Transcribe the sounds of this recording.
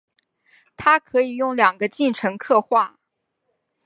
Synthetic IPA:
t̪ʰa˥kʰɤ˧˥i˨˩jʊ˥˩ŋljɑ˨˩ŋɡə˦t͡ɕi˥˩nʈ͡ʂʰɤ˧˥ŋkʰɤ˥˧xwa˥˩

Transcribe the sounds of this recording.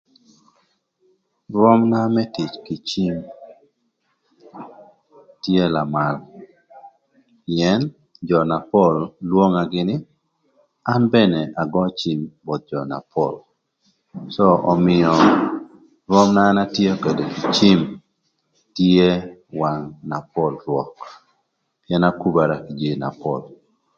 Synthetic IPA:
rwɔ˦mna˦mɛ˦ti˨t͡ʃkɪ˨t͡ʃi˦m | tje˦la˨ma˨l | piɛ˦n | d͡ʒɔ˨na˨pɔ˦˨lːwo˦ŋa˨ɡɪ˦nɪ˦ | a˦nbɛ˦ne˨ʔa˨ɡɔ˦t͡ʃi˨˦mbɔ˨t̪̚d͡ʒɔ˨na̰˨pʰɔl | sɔ˦ɔ˨mɪɔ | ɾɔ˦mnaː˦na˦tje˦ke˨do˨ki˨t͡ʃi˦m | te˦wa˨ŋna˨pɔ˦lɾwɔ˨k | pjɛna˦ku˦ba˨ɾaki˨d͡ʒe˦na̰˨pɔ̰l

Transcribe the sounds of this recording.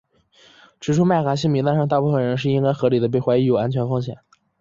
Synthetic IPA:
ʈ͡ʂɻ̩˧˩ʈ͡ʂʰu˥ma˥˩ɪka˧˥ɕ̬i˥˩ŋmi˧˥t̪a˥nʂɑ˥˧t̪a˥˧pu˥˩fə˩nɻə˧˥nʂ̬ɻ̩˥˧i˥ŋka˥ɪxɤ˧˥li˨˩d̪ə˦pe˥˩ɪxwa˧˥ɪi˧˥jo˨˩ʊa˥nt͡ɕʰɥɛ˧˥nfɤ˥ŋɕjɛ̰˨˦n

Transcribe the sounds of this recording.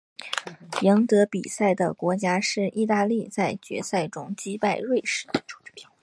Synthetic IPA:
jɑ˧˥ŋt̪ɤ˧˥pḭ˨˩sa˥˩ɪd̪ə̰˩kwɔ˧˥t͡ɕja˥ʂɻ̩˥˧ʔi˥˧t̪a˥˧li˥˧t͡sa˥˩ɪt͡ɕɥɛ̰˧˥sa˥˩ɪʈ͡ʂʊ˥ŋt͡ɕi˥pa˥˧ɪɻwe˥˩ɪʂɻ̩˥˩˧

